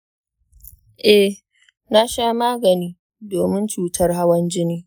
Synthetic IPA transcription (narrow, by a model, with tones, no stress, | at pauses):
ʔɛ˨ | na˦ʃaː˦maː˦ɡɐ˨niː˦ | doː˨mɪ˦nt͡ʃuː˨tʰɐ˦rɦa˦wɐ˦nd͡ʒɪ˦niː˦